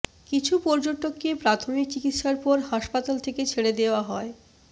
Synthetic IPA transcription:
kit͡ɕʰupɔɾd͡ʑoʈokːepɾat̪ʰomik̚t͡ɕikit̪ʃaɾpɔɾɦaʃpat̪alt̪ʰeket͡ɕʰeɽed̪eoaɦɔe

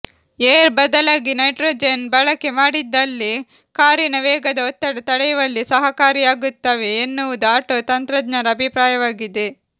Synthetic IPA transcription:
eːɾbɐd̪ɐlaːɡinɐjʈɾoːd͡ʒenbɐɭɐkemaːɽid̪ːɐlːi | kaːɾinɐʋɛːɡɐd̪ɐɔt̪ːɐɽɐt̪ɐɽɐjɐʋɐlːisɐɦɐkaːɾijaːɡut̪ːaːʋeːnːuʋud̪uaːʈoːt̪ɐnt̪ɾɐd̪nɐɾɐːbʱipɾaːjɐʋaːɡid̪e̞

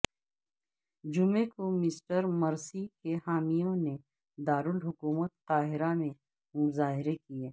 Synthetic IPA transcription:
d͡ʒʊmẽkomɪsʈəɾmɐɾsikehaːmijõne | d̪aːɾʊɖɦʊkuːmət̪ːaːɦɪɾamẽ | mʊzaːɦɪɾekijeː

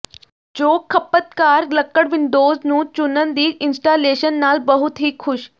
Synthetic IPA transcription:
t͡ɕoːkʰːɐpət̪kaːɾlɐkːəɽʋɪ̃nd̪oːznũːt͡ɕʊnən̆d̪iːɪnsʈaːleːʃənːaːlbɐɦʊt̪ɦikxʰʊʃ

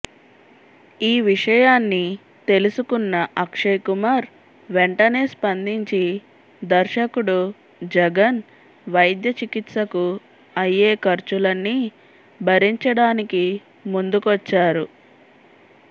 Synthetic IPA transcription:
iːʋiʂɐjaːnːi | t̪e̞lusukunːɐʔɐkʂɐjkumaːɾ | ʋeɳʈɐne̞ːspɐnd̪iɲt͡ʃi | d̪ɐɾʃɐkuɽu | d͡ʒɛɡɐn | ʋɐjd̪jɐt͡ʃikit̪sɐku | ɐjːeːkɐɾt͡ʃulɐnːi | bʱɐɾiɲt͡ʃɐɽaːniki | mund̪ukʋɐt͡ʃːaːɾu

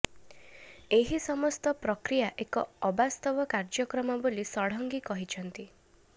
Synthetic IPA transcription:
eɦisɔmɔst̪ɔpɾɔkɾijaʔekɔːbast̪ɔbɔkaɾd͡ʒɔkɾɔmɔbolisɔɽ̤ɔŋɡikɔɦit͡ʃʰɔnt̪i

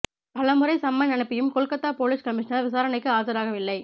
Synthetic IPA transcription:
ɐlɐmɯɾɐɪsɐmːɐnɐnɐɪpːɪjɯmkɔɭkɐt̪ːaːpoːlɪskɐmɪʂɐnɐɾʋɪsaːɾɐnɐɪkːɯaːɾðɐɾaːɣɐʋɪlːɐɪ

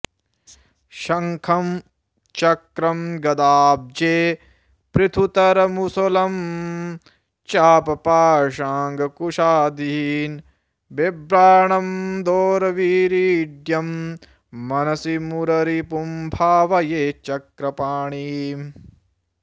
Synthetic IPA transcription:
ʃɐŋkʰɐm | t͡ʃɐkɾɐmɡɐd̪aːb̚d͡ʒeː | pɾit̪ʰut̪ɐɾɐmusolɐm | t͡ʃaːpɐpaːʂaːŋɡkuʂaːd̪iːn | bebɾaːɳɐmd̪oːɾɐʋiːɾiːɖjɐmː | ɐnɐsimuɾɐɾipumbʱaːʋɐjeːt͡ʃɐkɾɐpaːɳi

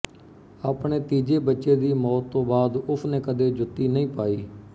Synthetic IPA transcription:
aːpɳeːt̪iːd͡ʒeːbətːʃeːd̪iːmɔːt̪ːõːbaːd̪ʊpʰnẽːkəd̪eːd͡ʒʊt̪ːiːnəĩːpaːiː

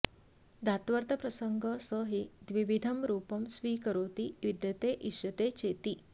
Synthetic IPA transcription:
d̪ʱat̪ʋəɾt̪əpɾəsəŋɡʱəsəɦid̪ʋiʋid̪ʱəmɾuːpəmsʋiːkəɾoːt̪iːjud̪jət̪eʔiʂɐt̪et͡ɕet̪iː

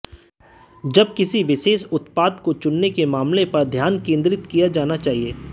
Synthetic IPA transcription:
d͡ʒɐb̚kɪsiʋɪʃeːʃʊt̪paːd̪kot͡ʃʊnːekemaːmlepɐɾd̪ʱjaːnkẽːnd̪ɾɪt̪kijad͡ʒaːnat͡ʃaːɦieː

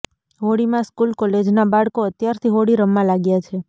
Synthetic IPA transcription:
ɦoɽimãskulkɔled͡ʒnabaɭkoət̪jaɾt̪ʰiɦoɽiɾəmːãlaɡjat͡ʃʰe

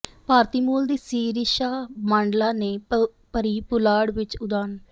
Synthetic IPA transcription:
paːɾt̪iːmuːld̪iːsiːɾiʃaːmãːɳɖlaːneː | pəɾiːpʊlaːɽʋɪt͡ʃʊd̪aːn

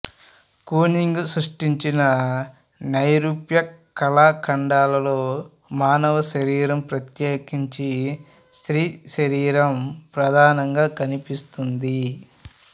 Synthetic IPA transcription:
kuːniŋɡusɾuʂʈiɲt͡ʃinɐ | nɐjɾupjɐkɐlaːkʰɐɳɖaːlɐlo̞ː | maːnɐʋɐʃɐɾiːɾɐmpɾɐt̪jeːkiɲt͡ʃi | sɾiːʃɐɾiːɾɐmpɾɐd̪ʱaːnɐŋɡaːkɐnipist̪und̪i

